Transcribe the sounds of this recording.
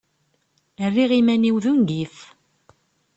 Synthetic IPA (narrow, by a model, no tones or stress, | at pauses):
ərːiʁimæniwðunɡiθ